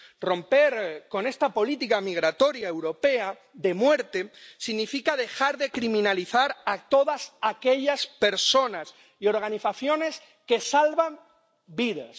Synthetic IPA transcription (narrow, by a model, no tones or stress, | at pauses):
rõ̞mpe̞ɾko̞ne̞st̪apo̞lit̪ikamiɣ̞ɾat̪o̞ɾjae̞wɾo̞pe̞a | ðe̞mwe̞ɾt̪esiɣnifikað̞e̞xaɾðe̞kɾimĩnaliθaɾat̪o̞ðasake̞ʎaspe̞ɾso̞nas | io̞ɾɣ̞aniθaθjo̞ne̞s | ke̞salβam | biðas